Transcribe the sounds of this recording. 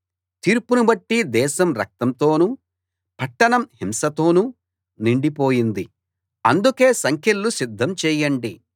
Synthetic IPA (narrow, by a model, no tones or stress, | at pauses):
t̪iːɾpunubɐʈːid̪ɛːʃɐmɾɐ̰k̚t̪ɐmt̪o̞ːnu | pɐʈːɐɳɐmhimsɐt̪o̞ːnu | niɳɖipo̞ːjind̪i | ɐnd̪ukeːsɐŋkʰelːusid̪ʱːɐmt͡ʃɛːjɐɳɖi